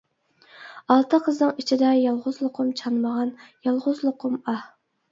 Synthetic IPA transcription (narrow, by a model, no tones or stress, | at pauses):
ɑlˠt̪ʰəqʰəznɨŋit͡ʃʰid̪ɛjɑlˠʁʊzlˠʊqʰʊmt͡ʃʰɑnməʁɑnjɑlˠʁʊzlˠʊqʰʊmɑ